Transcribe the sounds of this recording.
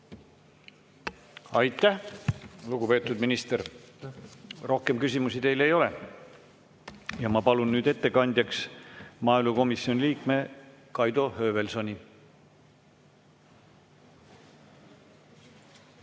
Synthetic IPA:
ɑjt̪ːˑæhluɡupe̞ːt̪ːˑud̪minist̪e̞ɾ | ro̞hkemkys̬ʲimusit̪e̞jle̞jo̞le̞̰ | jɑmɑpɑlunːyːd̪e̞t̪ːe̞kɑnʲd̪jɑksmɑːeluko̞misio̞nʲiliːkme̞kɑjd̪o̞hø̞ːve̞lso̞nʲi

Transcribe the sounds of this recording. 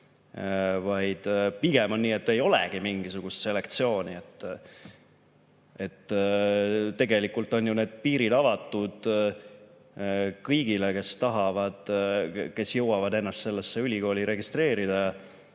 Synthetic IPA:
vɑjd̪̥piɡ̥emo̞nːiːet̪ːe̞jo̞lɛɡ̥imiŋɡisuɡ̥ust̪se̞lekt̪sio̞ːnʲie̞t̪ːˑ | e̞t̪ː | t̪e̞ɡe̞likːˑult̪ˑo̞njune̞ːd̪̥̚piːɾid̪̥ɑvɑt̪ːˑud̪̥ | kɤjɡ̥ileke̞st̪ɑɦɑvɑd̪̥ke̞sjɤwɑvɑd̪e̞nːɑst̪se̞lːesːe̞ylʲiko̞ːlʲiɾe̞ɡist̪re̞ːɾid̪̥ɑ

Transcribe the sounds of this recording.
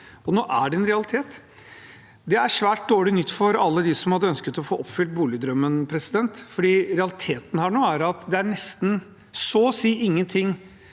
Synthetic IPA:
ɔnoːʔæɖɛːnɾɛɑlɪt̪ʰeːt̪ | d̪ɛæɾʂʋæːʈ̚d̪oːɭɪnʏt̪ːfɔɾɑlːəd̪ɪsɔmhɑd̪ːəœnskət̪ɔfoːʔɔpːfʏlt̪̚buːlɪəd̪ɾœmːənpʰɾɛsɪd̪ɛnt̪fɔɖiːɾɛɑlɪt̪ʰeːt̪n̩hæːɳoːæɾɑt̪d̪ɛæɳɛst̪n̩ | sɔsiːʔɪŋːənt̪ʰɪŋː

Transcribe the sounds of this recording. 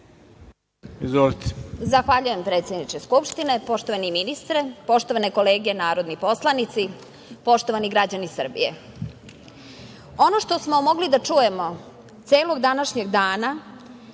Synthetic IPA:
izolit̪zaxʋaʎuje̞mpɾe̞ːt̪sjed̪nit͡ʃeskupʃt̪ine̞po̞ʃt̪o̞ʋaniminist̪ɾepo̞ʃt̪oʋaneko̞leːɡe̞naːɾo̞d̪nipo̞slˠanit̪si | po̞ʃt̪o̞ʋaniɡɾad͡ʑanisr̩bḭjḛ | o̞noʃt̪o̞smo̞mo̞ɡlid̪at͡ʃuje̞mo̞ | t̪seːlo̞ɡd̪anaʃɲeɡd̪aːna

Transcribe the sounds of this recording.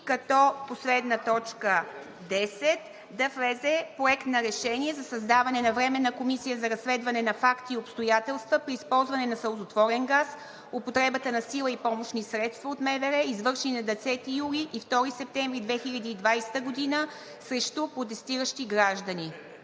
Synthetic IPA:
kɐt̪ɔposlɛd̪nət̪ɔt͡ʃkə | d̪ɛsɛt̪ | d̪ɐflɛzɛpɾoɛkt̪nɐɾɛʃɛniɛzɐsɐzd̪avɐnɛnɐvɾɛmɛnːəkomisijəzɐɾɐsːvɛd̪vɐnɛnɐfakt̪iːopst̪ojat̪ɛlˠst̪vəpɾiːspɔlˠzvɐnɛnɐsɐlˠzot̪vɔɾɛnɡas | opot̪ɾɛbət̪ənɐsilˠəipɔmoʃnisɾɛt̪st̪vɐot̪mɛvɛɾɛizvɤɾʃɛninɐd̪ɛt̪sɛt̪ijuliʔift̪ɔɾisɛp̚t̪ɛɱvɾid̪vɛxiʎʲɐd̪iːd̪vajsɛ̥t̪əɡod̪inə | sɾɛʃt̪ʊpɾot̪ɛst̪iɾəʃt̪iɡɾaʒd̪əni

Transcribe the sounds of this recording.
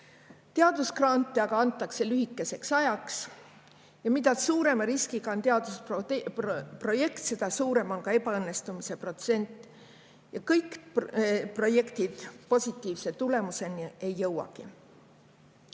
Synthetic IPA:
t̪e̞ɑd̪̥uskrɑnt̪ːˑeɑɡ̥ɑɑnt̪ːˑɑkse̞lyɦikːe̞se̞ksɑjɑks | jɑmid̪ɑsuːɾe̞mɑɾiskiɡɑont̪eɑd̪̥us | pro̞je̞kt̪se̞d̪ɑsuːɾe̞mo̞lkɑe̞bɑɤnːe̞st̪umise̞pro̞t̪se̞nʲt̪ˑ | jɑkɤjkː | pro̞je̞kt̪id̪̥po̞sʲit̪ːˑiːvse̞t̪ule̞muse̞niejːɤwɑ̰ɡ̥i

